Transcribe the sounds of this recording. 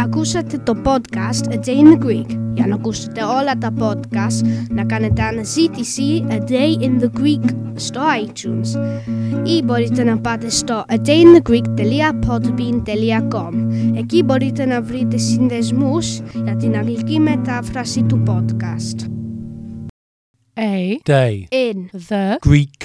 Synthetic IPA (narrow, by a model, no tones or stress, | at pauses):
akusat̪ət̪ɔpɔd̪kast̪ədejnəɡwiɡjanakustḁt̪ɛɔlat̪apɔd̪kastnakanət̪anəsit̪isiəd̪ejɪnðəɡɾiɡ | st̪ɔajtʰjuns | ibɔɾit̪ənapat̪est̪ɔʔədejnðəɡɾiɡt̪ɛliapʰɔdbindɛljaɡɔmɛɡibɔdidənavridɛsɪnðɛzmusadɪnaɡliɡɪmɛdafrasitubɔd̥kʰast | ejd̥ejɪnðəɡ̥ɾik